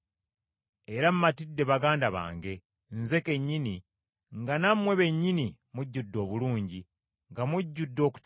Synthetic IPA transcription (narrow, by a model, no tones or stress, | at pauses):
e̞ɾamumatidːe̞βaɡaːndaβa̰ːŋɡe̞ | nze̞ke̞ɲːini | ŋɡanamwe̞βe̞ɲːinimuɟːudːo̞ːβuluːɲɟi | ŋɡamuɟːudːo̞ːku̥t